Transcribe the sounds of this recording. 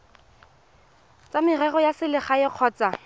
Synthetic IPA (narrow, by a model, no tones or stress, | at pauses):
t͡samɪrɛɣɔjasɪlɪχaɪq͡χʰɔːt͡sa